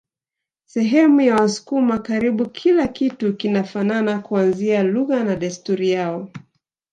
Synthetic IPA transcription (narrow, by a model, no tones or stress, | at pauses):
sɛɦɛmujawasu̥kumakaɾiɓukʰilakitukinafananakuanzialuɣanaɗastuɾijaɔ